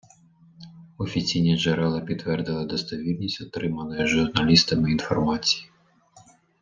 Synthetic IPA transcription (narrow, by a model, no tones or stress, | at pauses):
ɔfʲit͡sʲijnʲiʐɛɾɛlˠɐpʲit̪ːʋɛrd̪ɨlˠɐd̪ɔst̪avʲilʲnʲisʲtʲʊt̪ɾɪmɐnɐjɐʐurnalʲist̪ɐmɪːnfɔrmat͡sʲi̥ji